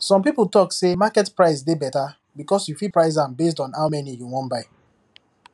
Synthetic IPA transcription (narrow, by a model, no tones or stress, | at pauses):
sɔ̃mpipl̩tɔksemakɛtpɹaɪsdebɛta | bikɔsjufipɹaɪs̬ãmbes̬tɔ̃nhaʊmɛnijuwɔ̃nbaɪ